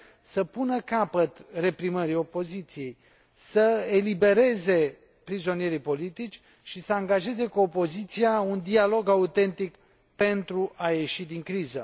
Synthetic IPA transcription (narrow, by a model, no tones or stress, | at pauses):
səpunəkapət̪re̞pɾiməɾio̞po̞zit̪sije̞j | səelibe̞ɾe̞ze̞ | pɾizo̞nije̞ɾijpo̞lit̪it͡ʃʲ | ʃisəaŋɡaʒe̞ze̞kuːpo̞zit̪siaund̪ialo̞ɡaut̪e̞nt̪ik | pe̞nt̪ɾuʔaje̞ʃid̪iŋkɾizə̰